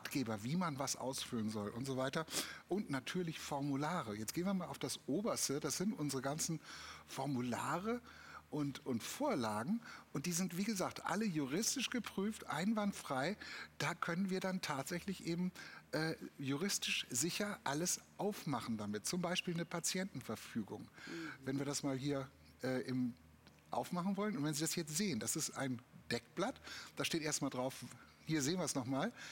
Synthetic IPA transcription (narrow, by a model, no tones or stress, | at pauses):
atɡ̥eːbɐviːmanvasʔa̰ʊsfylənzɔlʔʊntz̥ovaɪtɐʔʊntnatʰyːɐlɪçfɔɐmulaːʁəjɛt͡stɡ̥eːnviɐmaːlʔaʊfd̥asʔoːbɐstəd̥asz̥ɪntʔʊnzəʁəɡansn̩fɔɐmulaːʁə | ʔʊntʊntfoːɐlaːɡŋ̩ʔʊnt̚d̥iːzɪntv̥iːɡəzaːk̚tʔa̰ləjuʁɪstɪʃɡ̥əpʁ̥yːftʔa̰ɪnvantfʁ̥aɪd̥aːkʰœnənviːɐdantʰaːtz̥ɛçlɪçʔeːbm̩ʔɛːjuʁ̞ɪstɪʃz̥ɪçɐʔaləsʔaʊfmaχn̩damɪt̚t͡sʊmbaɪʃpiːlnəpʰat͡sjɛntn̩fɛɐfyːɡʊŋvɛnviːɐɾasmaːlɦiːɐ | ʔɛːʔɪm | ʔa̰ʊfmaχn̩vɔlənʊntv̥ɛnziːdashjɛt͡stz̥eːəndasɪsta̰ɪnd̥ɛk̚b̥latd̥aːʃteːtʔeːɐstmaːldʁaʊf | hiːɐzeːnviɐɛsnɔχmaːl